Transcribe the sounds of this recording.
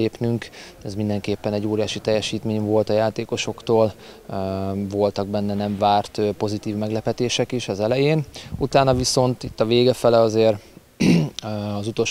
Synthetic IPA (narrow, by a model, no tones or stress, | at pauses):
eːpnyŋkɛzmind̪ɛŋkeːpːɛnɛɟːoːɾijaːʃit̪ɛjːɛʃiːt̪meːɲvo̞lt̪ɒjaːt̪eːko̞ʃo̞kt̪oːl | vo̞lt̪ɒɡ̚bɛnːɛnɛɱvaːrt̪ːpo̞zit̪iːvmɛɡlɛpɛt̪eːʃɛkiʃɒzɛlɛjeːnut̪aːnɒviso̞nt̪it̪ːɒveːɡɛfɛlɛɒzeːr | ɒzut̪o̞lʃ